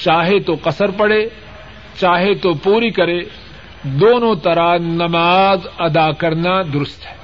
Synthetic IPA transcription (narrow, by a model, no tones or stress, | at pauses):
t͡ʃaːɦet̪oqɐsəɾpɐɽeː | t͡ʃaːɦet̪opuːɾikɐɾe | d̪oːnõt̪ɐɾanɐmaːzɐd̪akɐɾnad̪ʊɾʊst̪ɦɛː